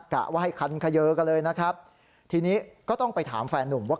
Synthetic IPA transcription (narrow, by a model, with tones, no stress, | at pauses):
ka̰˨˩ʔwaː˥˩ɦa˥˩jkʰa˧nkʰa˧jɤː˦˥ka˧nlɤː˧jna˦˥kʰɾa˦˥p̚ | t̪ʰiː˧niː˦˥kɔː˥˩t̪ɔ˥˩ŋpa˧jt̪ʰa̰ː˩˦mfɛː˧nːu˨˩mwaː˥˩